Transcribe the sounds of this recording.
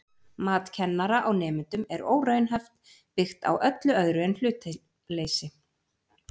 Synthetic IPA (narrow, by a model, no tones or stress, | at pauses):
maːt̪cʰɛnːaɾaʔawnɛːmʏnt̪ʏmɛɾo̰ːwɾœːɥnɦɛft̪ | pɪxt̪a̰wʔœt̪lʏœðɾʏɛnlʏːt̪ | leːjsɪ